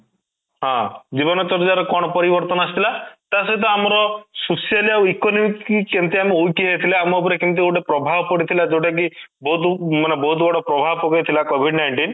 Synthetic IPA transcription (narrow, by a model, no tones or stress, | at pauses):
ɦãd͡ʒibɔnɔt͡ʃɔɾd͡ʒaɾɔkɔɽ̃ɔpɔɾibɔɾt̪ɔnast̪ʰilat̪asɔjt̪̬ɔamɔɾɔsosialiawikɔnɔmikikent̪iameojkiɦejt̪ʰileamuɔp̬ɔɾekent̪ioʈepɾɔbʱabpɔɽit̪ʰilad͡ʒewʈak̬i | bɔɦut̪manebɔɦut̪bɔɽɔpɾɔbʱabpɔkɔjt̪ʰilakobʱiɖnajɳʈin